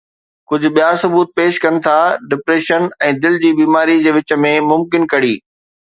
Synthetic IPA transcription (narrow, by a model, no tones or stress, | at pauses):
kʊd͡ʑʱʊ̆ɓijaːsʊbuːt̪̚peːʃkɐnɪ̆t̪ʰaɖɪpɾeːʃənɛ̃ːd̪ɪld͡ʑiːbiːmaːɾid͡ʑeːʋɪt͡ɕə̆mẽmʊmkɪnkɐɽiː